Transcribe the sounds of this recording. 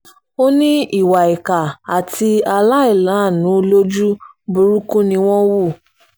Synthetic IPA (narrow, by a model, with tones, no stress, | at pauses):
o˦nĩ˦i˦˨wa˨i˨ka˨a˨ti˧a˧la˦i˦˨lã˨˦˨nũ˨˦lo˦d͡ʒu˦ | bu˦ɾu˦kũ˦nĩ˧w̃ɔ̃˦wu˦˨